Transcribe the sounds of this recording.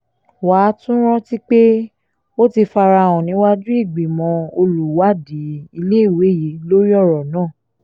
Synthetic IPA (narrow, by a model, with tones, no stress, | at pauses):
wa˨˦tũ˦ɾ̃ɔ̃˦ti˦k͡pe˦ | o˦ti˧fa˧ɾa˧˨w̃ɔ̃˨nĩ˨˦wa˦dĩ˦i˦˨ɡ͡bi˨mɔ̃˧˦o˧lu˨wa˨˦di˨˦i˧le˦i˦˨we˨˦ji˨˦lo˦ɾi˦ɔ˦˨ɾɔ˨nãː˦˨